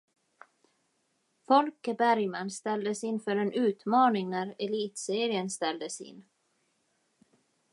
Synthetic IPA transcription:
fɔlkəbæɾjmanst̪ɛld̪əsɪnːfœɾɛnʉ̟ːt̪mɑːnɪŋnæɾɛliːt̪seːɾɪənst̪ɛld̪əsɪ̰nː

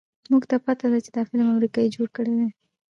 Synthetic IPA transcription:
zmuɡt̪apat̪ad̪at͡ʃed̪ɑfɪlmamɾikɑid͡ʒoɽkəɽed̪e

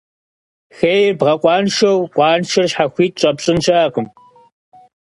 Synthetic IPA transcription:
xejrbʁɐqʷʼɑːnʃɐwqʷɑːnʃɪrɕħaxʷiːt̚ɕʼɐpɕʼɪnʃaːqʊm

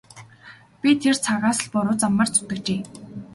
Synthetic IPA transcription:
pʲit̪ʰert͡sʰaʁaːsə̆ɮpɔɾʊːt͡samːə̆ːrt͡sʊ̥t̪ə̆kt͡ɕeː

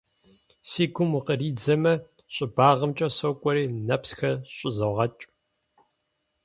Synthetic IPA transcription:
siːɡʷʊmqəriːd͡zɐmɐ | ɕʼɪbaːʁɐmt͡ʃʼɐsokʷʼɔɾiːnɐpsxɐɕʼɪzɐʁɐt͡ʃʼ

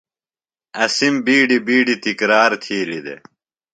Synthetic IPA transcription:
ɐsimbiːɖibiːɖit̪ikɾaːɾt̪ʰiːlid̪ḛ

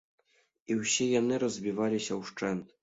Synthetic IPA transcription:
iwɕejɑnɨɾɔzbʲiʋɑlʲiɕɑwʂt͡ʂɛnt̪

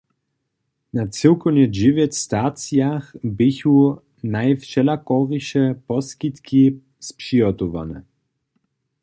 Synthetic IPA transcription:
nat͡sɪwkɔwnɛd͡ʑɪvjɛtst̪at͡sjaxbɪçu | najfʃɛlakɔʁiʃɛpɔskit̪ki | spʂiɔt̪ɔva̰nɛ̰

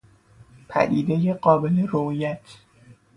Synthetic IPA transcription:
pʰæ̰d̪ḭːd̪ejeɢɒːbe̞leɾojæt̪ʰ

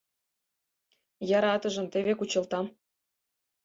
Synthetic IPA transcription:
jɑɾɑt̪ɤ̆ʒɤ̆mt̪eβekut͡ɕɤ̆lt̪ɑm

